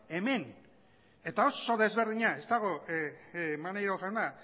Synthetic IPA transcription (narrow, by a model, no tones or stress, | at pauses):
e̞me̞n | e̞t̪ao̞so̞ðe̞zβe̞ɾð̞iɲae̞st̪aɣ̞o̞ | manejɾoʝawna